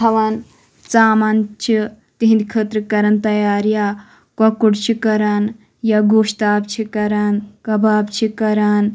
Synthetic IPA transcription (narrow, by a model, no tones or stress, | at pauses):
ɐʋan | t͡saːmant͡ʃʰi | t̪iɦĩnd̪ikʰət̪ɾɨkɐɾɐnt̪ɐjaːɾja | kɐkuɽt͡ʃʰikɐɾan | jaɡoːʂt̪aːbt͡ʃʰikɐɾankɐbaːbt͡ʃʰikɐɾaːn